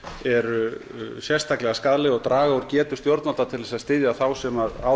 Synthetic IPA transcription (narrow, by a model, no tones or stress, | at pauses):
ɛɾʏ | sjɛst̪ʰaklɛɣaskaðlɪɔɣt̪ɾaːɣaɔɾcɛːt̪ʏ̥st̪joɾt̪nat̪at̪ʰɪlðɛsaðst̪ɪðjaθawsɛmaɾa̰